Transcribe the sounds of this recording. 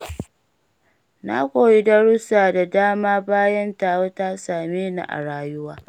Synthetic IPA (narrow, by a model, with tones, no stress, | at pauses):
na̰˦kʷoː˨ji˦dɐ˦ɽʊ˦saː˨da˨daː˦maː˦baː˦jɐ˦ntaː˨wo˦ta˦saː˨meː˦na̰˨ʔa̰˨ɽaː˦jʊ˦waː˦